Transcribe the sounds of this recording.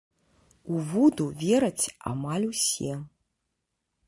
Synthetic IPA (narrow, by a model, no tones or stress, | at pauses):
uvud̪uvʲɛɾɐt͡sʲa̰malʲusʲɛ